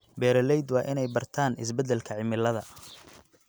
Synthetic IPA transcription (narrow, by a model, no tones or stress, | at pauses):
bɛːɾɐlɛjd̪wɑːʔɪnɛjbɐrt̪ʰaːnɪs̬bɛd̪ːɛlkʰɐʕɪmɪlɐðɐ